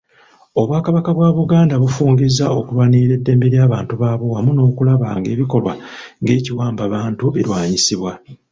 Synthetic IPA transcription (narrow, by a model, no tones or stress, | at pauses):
o̞βwaːkaβakaβwaːβuɡaːndaβufuːŋɡizao̞kulwaniːɾe̞dːe̞ːmbe̞ɾjaːβaːntuβaːβo̞wamuno̞ːkulaβaŋɡe̞̰ːβiko̞lwa̰ | ŋɡe̞ːciwaːmbaβaːntueɾwaːɲisiβwa